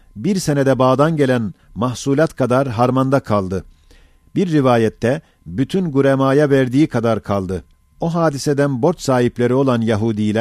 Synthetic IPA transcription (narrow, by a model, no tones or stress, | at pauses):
biɾse̞ned̪ɛbaːd̪anɟe̞lʲæn | mahsuːlʲˠat̪kʰad̪aɾɦaɾmand̪akʰalˠd̪ɯ | biɾːivaːjɛt̪ʰːɛ | byt̪ʰynɡuɾemaːjavæɾd̪iːikʰad̪aɾkʰalˠd̪ɯ | o̞ɦaːd̪ised̪ænbo̞ɾt͡ʃ̪saːɦiplʲeɾio̞lˠanjaɦuːd̪ijlʲæ